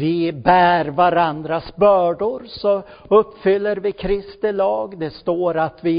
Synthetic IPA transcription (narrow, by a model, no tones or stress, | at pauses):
vɪbæːɾvaɾand̪ɾasbœːɖʊɾsɔ | ɵpːfʏlːəɾvɪkʰɾɪst̪ɪlɑːɡd̪ɛst̪oːɾat̪vɪ